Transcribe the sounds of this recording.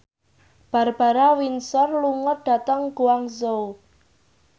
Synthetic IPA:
b̥a̤rb̥a̤ɾawinsɔrluŋəɖ̪̥ä̤t̪əŋɡuwaŋzou

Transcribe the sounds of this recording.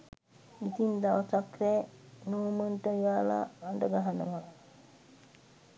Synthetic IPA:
it̪ind̪aʋsakɾɛːnuːməɳʈəijaːla̰aɳɖəɡaɦanə̰ʋa

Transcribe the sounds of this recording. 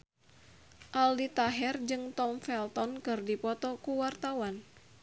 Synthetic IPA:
ʔaldit̪aɦɛrd͡ʒɨŋt̪ɔmfɛlt̪ɔnkɨrdipɔt̪ɔkuwart̪awan

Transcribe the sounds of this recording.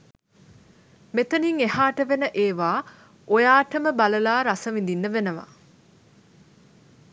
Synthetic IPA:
met̪əniŋehaːʈəʋenəʔeːʋaː | ojaːʈəməbaləlaːɾasəʋind̪inːəʋenəʋa̰

